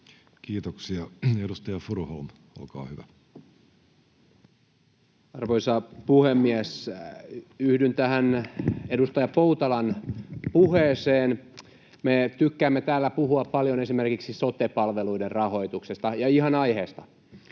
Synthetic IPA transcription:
kiːt̪oksiɑedust̪ɑjɑfurholn | o̰lkɑ̰ːhyʋæ | ɑrʋoisɑpuhemːiæs | yhdynt̪æhænedust̪ɑjɑpout̪ɑlɑnpuheːseːn | met̪ykːæːmːet̪æːlːæpuhuɑppɑljonesimerkiksisot̪epɑlʋeluiderrɑho̞it̪uksest̪ɑjɑihɑnɑjheːst̪ɑ

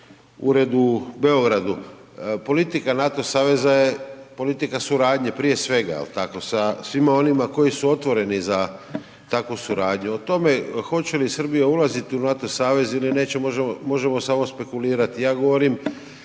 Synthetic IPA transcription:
ṵɾe̞d̪ube̞o̞ɡɾad̪u | po̞lit̪ikanat̪o̞saːʋe̞zaje̞po̞lit̪ikasuɾaːd̪ɲepɾije̞sʋe̞ɡa̰ḛlt̪ako̞sasʋimao̞nimako̞jisuo̞t̪ʋo̞ɾe̞niza | t̪akʋusuɾaːd̪ɲuot̪o̞me̞xo̞t͡ɕe̞lisr̩bijaulˠazit̪iunat̪o̞saːʋe̞ziline̞ːt͡ɕemoʒmo̞ʒe̞mo̞samospe̞kuliːɾat̪ijaːɡo̞ʋo̞ɾim

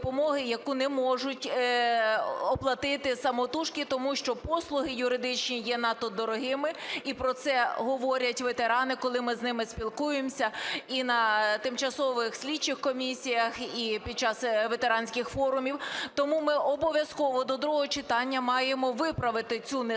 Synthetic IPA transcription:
pɔmɔɦɪjɐkunɛmɔʒʊtʲ | ɔplˠɐt̪ɪt̪ɪsɐmɔt̪uʃkʲɪt̪ɔmuʃt͡ʃɔpɔslˠʊɦɪjʊɾɪd̪ɪt͡ʃnʲijɛnɑt̪ːɔd̪ɔɾɔɦɪmɪipɾɔt̪sɛɦɔʋɔɾʲɐtʲʋet̪eɾɑnɪkɔlˠɪmɪznɪmɪspʲilˠkujemsʲɐinɐt̪ɪmt͡ʃɐsɔʋɪxsʲlʲit͡ʃɪxkɔmʲisʲijɐxipʲid̥̪̚t͡ʃɑsʋet̪eɾɑnʲsʲkɪxfɔɾʊmʲiwt̪ɔmumɪʔɔbɔʋʲjɐskɔʋɔd̪ɔd̪ɾuɦɔt͡ʃɪt̪ɑnʲːɐmɑjemɔʋɪpɾɐʋɪt̪ɪt͡sʲun

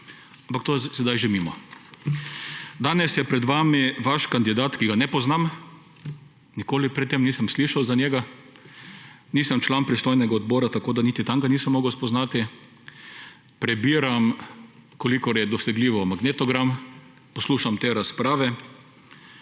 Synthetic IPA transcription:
ampak̚t̪oːsɛd̪ajʒemimɔ̰ | d̪aːnɛsjɛpɾɛd̪ʋaːmiʋaʃkand̪id̪aːt̪kiɡanɛpɔznam | nikoːlipɾɛt̪ːemniːsəmsliʃawzanʲjɛːɡa | niːsəmt͡ʃlanpɾist̪oːjnɛɡaɔd̪bɔːɾat̪akoːd̪anit̪it̪aŋɡaniːsəmːɔːɡɐwspɔznaːt̪i | pɾɛbiːɾam | kɔlikɔɾjɛd̪ɔsɛɡliːʋɔmaɡneːt̪ɔɡɾam | pɔsluːʃamt̪eːɾaspɾaːʋɛ

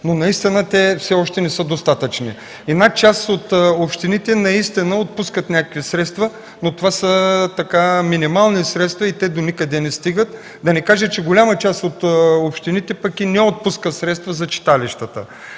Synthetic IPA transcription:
nonɐist̪inət̪ɛfsɛɔʃt̪ɛnɛsəd̪ost̪at̪ət͡ʃnḭ | ɛd̪nat͡ʃasot̪opʃt̪init̪ɛnɐist̪inəot̪̚puskət̪nʲakəkvisɾɛt̪st̪və | not̪ovasət̪ɐkaminimalˠnisɾɛt̪st̪vɐit̪ɛd̪onikəd̪ɛnɛst̪iɡət̪ | d̪ɐnɛkaʒət͡ʃɛɡolʲamət͡ʃast̪ot̪opʃt̪init̪ɛpɐkinɛot̪̚puskəsɾɛt̪st̪vɐzɐt͡ʃi̥t̪aliʃt̪ət̪ə̰

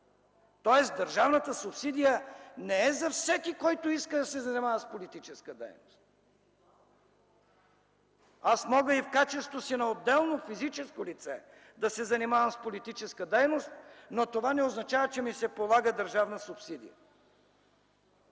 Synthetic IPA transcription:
t̪ɔɛsd̪ɐɾʒavnət̪əsʊpsid̪ijənɛɛzɐfsɛkikɔjt̪oiskəd̪ɐsɛzɐnimavəspolit̪it͡ʃɛskəd̪ɛ̰jnost̪ | asmɔɡəifkat͡ʃɛst̪vosinɐod̪d̪ɛlˠnofizit͡ʃɛskolit̪sɛ | d̪ɐsɛzɐnimavəmspolit̪it͡ʃɛskəd̪ɛjnost̪̚not̪ovanɛoznɐt͡ʃavət͡ʃɛmisɛpolˠaɡəd̪əɾʒavnəsʊpsid̪ḭjə̰

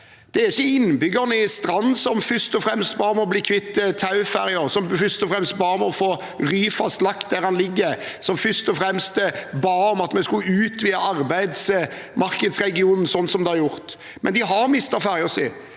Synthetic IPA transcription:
d̪̥ɛæɾɪçːəɪnbʏɡəʁnəɪst̪ɾɑnːsɔmfʏst̪ɔfɾɛmst̪bɑːɾəmɛɔbliːkʰʋɪt̪ːt̪ʰɑʉfæɾɪəɾsɔmfʏst̪ɔfɾɛmst̪bɑːɾəmɛɔfoː | ʁyːfɑslɑkt̪̚d̪æɾɑnlɪɡːəɾ | sɔmfʏst̪ɔfɾɛmst̪bɑːɔmɑt̪mɛskʉʉːt̪ʋiːɑɑɾbæɪd̪smɑɾkəd̪sɾɛɡɪuːnn̩sɔnːsɔmd̪ɛɑɾjʊɾt̪ | mʔɛnd̪ɪɦɑɾmɪst̪ɑfæɾɪɔsɪ̰

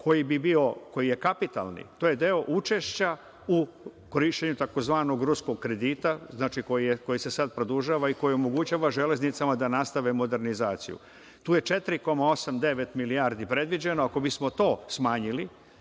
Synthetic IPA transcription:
kʰo̞jibibio̞ko̞jije̞kapit̪a̰lˠnḭt̪oːje̞d̪e̞o̞ʔut͡ʃe̞ʃt͡ɕa | u | koɾiʃt͡ɕeɲut̪ako̞zʋaːnoɡɾusko̞ɡkːɾe̞d̪iːt̪aznaːt͡ʃiko̞jieko̞jise̞sad̪̚pɾod̪uʒaːʋaiko̞jio̞mo̞ɡut͡ɕaːʋaʒele̞znit̪samad̪anast̪aʋemo̞d̪e̞ɾnizaːt̪sḭjṵ | t̪uːje̞t͡ʃe̞t̪ɾiko̞mao̞samd̪e̞ʋe̞t̪milijaːɾd̪ipɾe̞d̪ʋid͡ʑenoako̞bismo̞t̪o̞ːsmaːɲili

